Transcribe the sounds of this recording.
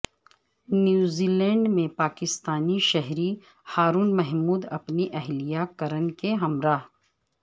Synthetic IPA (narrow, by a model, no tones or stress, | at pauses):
njuːziːlɛ̃ːɳɖmẽpaːkɪst̪aːniʃɛɦɾi | haːɾuːnmɛɦmuːd̪ɐpniʔɛɦlijakɐɾənkeɦɐmɾaːɦ